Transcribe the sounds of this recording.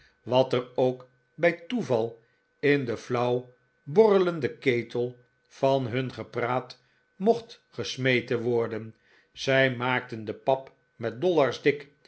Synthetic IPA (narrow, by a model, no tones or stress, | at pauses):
ʋɑtərowk | bɛjtuvɑlˠ | ɪndəflʌw | bɔrələndəkejtəlˠ | v̥ɑnɦɵnχəpraːt | moχt | χəsmejtənʋɔɹdən | z̥ɛjmaːk̚təndəpɑp | mɛt̚dɔlɑɹzdɪk